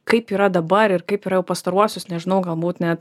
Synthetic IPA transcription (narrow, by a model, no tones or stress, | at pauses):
kɐɪpiːɾɐd̪ɐbɐɾɪrkɐɪpiːɾɐjɛʊpɐst̪ɐɾuɔsʲosnʲɛʒʲɪnɐʊɡɐlˠbuːt̪nʲɛt̪